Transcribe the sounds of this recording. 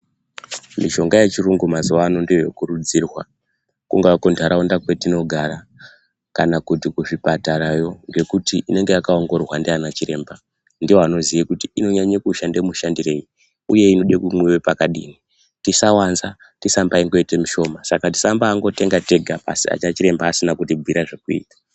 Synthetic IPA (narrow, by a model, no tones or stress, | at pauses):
miʒo̞ŋɡaje̞t͡ʃiruŋɡumazuwano̞ndiojokuɾud͡zirwa | kuŋɡaakontʰaɾaondakwe̞tino̞ɡʱaɾa | kanakutikuʐipataɾajo̞ŋɡe̞kutiʔine̞ŋɡeakaoŋɡo̞rwandianat͡ʃiɾe̞ːmba | ndiwoano̞zijikutiino̞ɲaɲekuʃandemuʃandire̞ji | uje̞ino̞ɗekumwewepakaɗḭni | tisawanza | tisambaiŋɡo̞itemuʃo̞masakati̥sambaːŋɡo̞te̞ŋɡate̞ɡʱapa̰sia̰t͡ʃat͡ʃiɾe̞mbaːsinakutibʱiɾaʐekuḭːtḁ